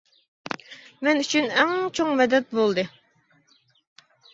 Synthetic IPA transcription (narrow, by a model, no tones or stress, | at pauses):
mɛnyt͡ʃʰynɛŋt͡ʃʰoŋmɛd̪ɛt̪̚bolˠd̪ɨ